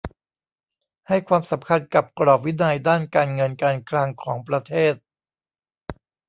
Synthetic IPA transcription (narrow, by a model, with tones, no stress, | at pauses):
ha˥˩jkʰwaː˧msa˩˦mkʰa˧nka˨˩p̚kɾɔː˨˩p̚wi˦˥na˧jdaː˥˩nkaː˧nŋɤ˧nkaː˧nkʰlaː˧ŋkʰɔː˩˦ŋpɾa˧t̪ʰeː˥˩t̪̚